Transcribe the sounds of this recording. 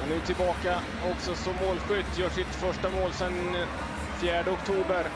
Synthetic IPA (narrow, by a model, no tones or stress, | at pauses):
nʉ̟ːʈ̪ʰɪlbɑːka | ɔksɔsɔmːoːlɧʏt̪ːjœːʂɪt̪fœʂʈamoːlsɛn | fjæːɖəɔkt̪ʰuːbəɾ